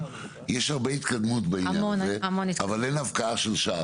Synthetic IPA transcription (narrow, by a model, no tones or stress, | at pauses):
jeʃhaʁbeit̪kad̪mut̪beinajamoneamonitavalenavkaaʃelʃa